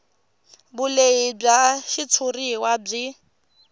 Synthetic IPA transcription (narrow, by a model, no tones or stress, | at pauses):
bʊleɪb͡ʐaʃit͡sʰʊriwab͡ʐɪ